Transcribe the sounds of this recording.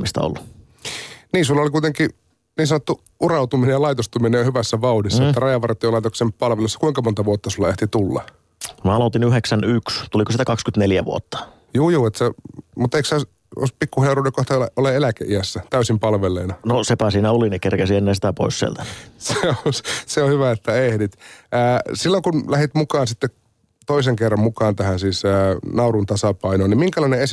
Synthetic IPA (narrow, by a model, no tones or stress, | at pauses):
mist̪ɑ̰o̰lːu | niːsulːɑolikuit̪eŋki | niːnsɑnot̪ːu | ʔurɑut̪uminejɑlɑit̪ost̪uminejɑhyʋæsːæʋɑudisːɑeːærɑjɑʋɑrt̪ːijolɑit̪oksempɑlʋelusːɑ̥kuiŋkɑmont̪ɑʋuot̪ːɑsulːɑeht̪it̪ulːɑ̰ | mɑɑlot̪inyheksænykst̪ulikosit̪ækɑkskyt̪neljæʋṵot̪ːɑ̥ | juːjuːet̪semut̪ːeiksɑˑs | o̰ispikːuheuruːdekoht̪ɑeʔoleelækḛʔiæsːæt̪æysimpɑlʋelːeinɑnosepæsiːnæolinikerkæsienːesit̪æpo̰issiḛlt̪æseosseohyʋæet̪ːæehdit̪æːsilːoŋkunlæhit̪mukɑːnsit̪ːe | t̪oiseŋkerːɑmmukɑːnt̪æhæsiːsəːnɑurunt̪ɑsɑpɑinoːnimiŋkælɑinees